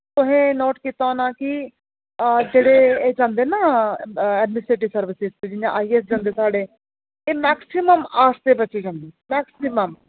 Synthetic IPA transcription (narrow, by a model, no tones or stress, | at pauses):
t̪ʊɦẽːnoːʈkit̪aːnaːki | d͡ʒeːɽeːd͡ʒãːnd̪eːnaː | ɛːɖmɪsɾeːʈ̬isəɾʋɪsɪzt̪eːd͡ʒɪjãːʔaːieːsd͡ʒãːnd̪eːsaːɽeː | eːmɛːksɪməmaːst̪eːbət͡ʃiːd͡ʒãːnd̪iːmɛːksɪməm